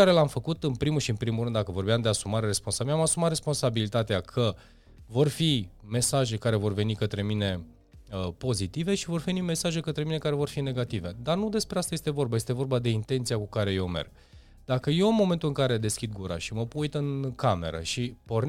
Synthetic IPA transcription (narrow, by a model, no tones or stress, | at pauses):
aɾe̞lamfəkut̪ɨnpɾimulʃiɨnpɾimulɾɨnd̪akəvo̞rbejamd̪e̞asumaɾeɾespo̞nsaamasumat̪ɾre̞spo̞nsabilit̪at̪eakʰə | vo̞rfime̞saʒe̞kaɾe̞vo̞rve̞nikət̪ɾe̞mine̞ | əpo̞zit̪ive̞ʃivo̞rve̞nime̞saʒekət̪ɾe̞mine̞kaɾe̞vo̞rfine̞ɡat̪ive̞d̪arnud̪e̞spɾeast̪aje̞st̪e̞vo̞rbajest̪evo̞rbad̪e̞int̪e̞nt̪siakukaɾe̞je̞wme̞̰rɡ̥̚ | d̪akəje̞ɨnmo̞me̞nt̪ulɨŋkaɾe̞d̪e̞skʲid̪̚ɡuɾa̰ʃiməpujt̪ɨnkame̞̰ɾə̰ʃipo̞rn